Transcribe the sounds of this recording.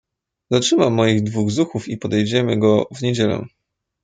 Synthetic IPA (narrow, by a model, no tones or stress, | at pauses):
zatʂɘmamːɔjiɣd̪vuɣzuxufipɔd̪ɛjd͡ʑɛmɘɡɔvɲed͡ʑɛlɛ̰